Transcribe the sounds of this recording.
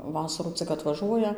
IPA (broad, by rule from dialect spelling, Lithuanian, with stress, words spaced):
ˈʋɑːsɐruː ˈt͡sʲɪk ɐtʋɐˈʒuɔjɛ